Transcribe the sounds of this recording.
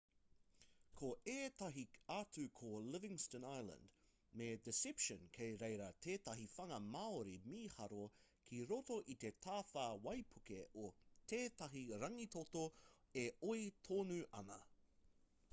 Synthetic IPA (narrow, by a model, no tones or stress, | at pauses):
kʰoeːt̪ɐɦiaːtʉkʰolɪvɪ̃ŋstə̃najlə̰nd | medɪsɪpʃə̃nkʰejɾejɾɐt̪ʰeːt̪ɐɦifɐŋɐmaoɾimiːhɐɾokʰiɾotoʔit̪e̞t̪ʰaːθaːwɐjpʰukeʔot̪ʰeːt̪ɐɦiɾɐŋit̪ot̪o | eojt̪ʰoːnʉʔɐ̰nɐ